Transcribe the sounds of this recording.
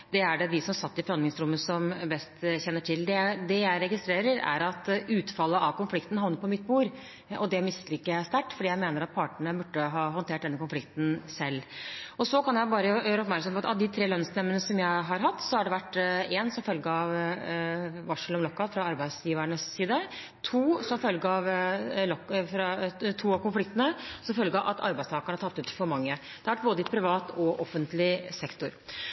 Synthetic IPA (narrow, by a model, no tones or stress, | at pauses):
d̪̥ɛæɖɛd̪ɪsɔmsɑt̪ːɪfɔɾhɑnd̪ɪŋsɾʊmːəsɔmbɛst̪ɕɛnːəʈʰɪld̪ɛd̪ɛjæɪɾɛɡɪst̪ɾeːɾəɾæ̰ɾɑt̪ʉːt̪fɑlːəʔɑʋkʊnflɪkt̪n̩hɑʋnəɾpʰɔmɪt̪̚ːbuːɾ | ɔd̪ɛmɪsəlɪkːəæst̪æʈːfɔɖiːjæɪmeːnəɾɑt̪̚pʰɑːʈəɳəbʉɖːəɦɑːɦɔnt̪ʰeːʈd̪ɛnːəkʊnflɪkt̪n̩sɛlːɔsɔkʰɑnjæɪbɑːɾəjjøːɾəɔpmæɾksɑmpɔɑt̪ʔɑ̰ʋd̪ɪt̪ʰɾeːlœnsɛmːənəsɔmjæɪɦɑɾɦɑt̪ːsɔæɖɛʋæʈːeːnsɔmfœlɡəɑʋ | ʋɑʂəlɔmlɔkːɑfɾɑɑɾbæɪsjiːʋəɳəsːiːd̪ə | t̪ʰuːsɔmfœlɡəɑʋlɔkfɾɑt̪ʰuːɑʋkʊnflɪk̚t̪ənəsɔmfœlɡəʔɑ̰t̪ʰɑ̰ɾbæɪst̪ɑːkəɳhæʈʰɑt̪ːʉːt̪fɔɾmɑŋːə | d̪ɛhɑʋæʈ̚boːd̪ɪt̪pʰɾɪʋɑːt̪ɔʔɔfːənt̪lɪsɛkt̪ʊɾ